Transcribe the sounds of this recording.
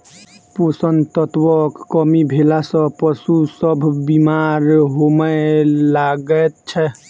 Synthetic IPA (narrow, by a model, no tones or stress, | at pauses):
posənt̪ɔt̪wɔkːɔmibʱelasɔ̃pɔsusɔbʱbimaɾɦomɛlaɡɛt̪̚t͡ʃʰɛ